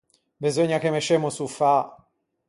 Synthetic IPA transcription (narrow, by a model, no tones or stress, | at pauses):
bezoɲːakemet͡ʃeːmosufa